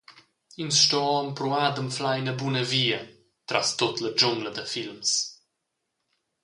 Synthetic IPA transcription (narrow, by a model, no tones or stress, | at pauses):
insʃt̪ɔɔəmpɾuaːd̪əmflajnəbunəviːə | t̪ɾʔast̪ot̪ləd͡ʒʊŋɡləd̪əfilms